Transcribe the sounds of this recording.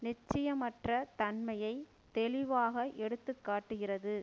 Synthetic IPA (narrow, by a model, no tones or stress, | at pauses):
nɪt͡ʃːɪjɐmɐʈrɐt̪ɐnmɐjɐɪ | t̪ɛɭɪʋaːɣɐʔɛɽɯt̪ːɯkːaːʈːɯɣɪrɐðɯ